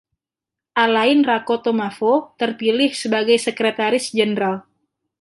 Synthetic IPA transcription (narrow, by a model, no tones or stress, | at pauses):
ʔalaɪnrakot̪omafot̪ərpilɪhsəbaɡajsəkɾet̪aɾɪsd͡ʒənɾal